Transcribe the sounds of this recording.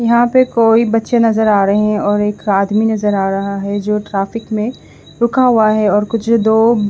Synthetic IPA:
jɐɦãpekoːibɐtːʃenɐzəɾaːɾɐɦeɦɛ̃ɔːɾeːkaːd̪minɐzəɾaːɾɐɦaɦɛd͡ʒoːʈɾaːfɪkmẽ | ɾʊkʰaɦuaɦɛɔːɾkʊt͡ʃʰd̪oː

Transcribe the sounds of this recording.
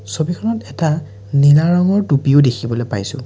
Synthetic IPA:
sobikʰɔnɔtɛta | ninaɹɔŋɔɹtupiʊdekʰibɔlojpa̰jsʊ̰̃

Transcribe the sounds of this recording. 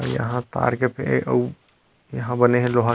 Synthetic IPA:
ɔjə̰ɦãt̪a̰ɾkepʰḛʔəu | jəɦãbəneɦẽloɦa

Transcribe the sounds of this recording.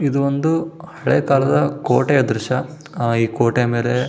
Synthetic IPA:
id̪uond̪uhɐɭeːkaːlɐd̪ɐko̰ːʈejɐd̪ɾɪʃɐ | iːkoːʈeme̞ːle̞

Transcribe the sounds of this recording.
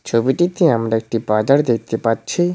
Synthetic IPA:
t͡ɕʰobiʈit̪eamɾaek̚ʈibad͡ʑaɾd̪ek̚t̪epatːɕʰi

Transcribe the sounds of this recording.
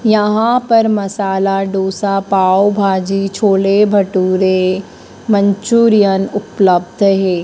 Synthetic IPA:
jɐɦãpɐɾmɐsaːlaɖoːsapaːobʱaːd͡ʒit͡ʃʰoːlebʱɐʈuːɾe | mə̃ɲt͡ʃuːɾijənʊpləbd̪ʱɦɛː

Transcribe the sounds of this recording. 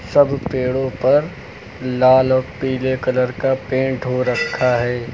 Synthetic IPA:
sɐbpeːɽõpɐɾ | laːlɔːɾpiːlekɐləɾkapẽːɳʈɦoɾɐkʰːaɦɛː

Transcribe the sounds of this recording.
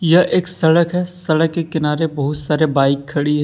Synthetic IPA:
jɐʔeːksɐɽəkɦɛsɐɽəkːekɪnaːɾebɐɦʊt̪saːɾebaːɪkʰːɐɽiɦɛ

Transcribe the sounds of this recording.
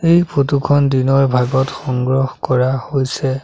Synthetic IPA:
ejpʰotukʰɔndinɔɹbʱaɡɔtxɔŋɡɹɔxkɔɹahojsɛ

